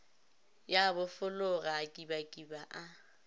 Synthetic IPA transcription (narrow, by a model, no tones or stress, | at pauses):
jabʊfʊlʊɣaːkʼibakʼibaʔa